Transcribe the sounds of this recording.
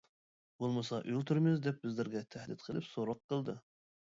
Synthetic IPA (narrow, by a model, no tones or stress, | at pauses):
bolˠmɨsɑʔylʲt̪ʰyɾmɪzd̪ɛp̚bɪzlɪɾɡʲɛt̪ʰæhd̪ɪt̪qʰəlˠɨpsoɾɑqːəlˠd̪ɨ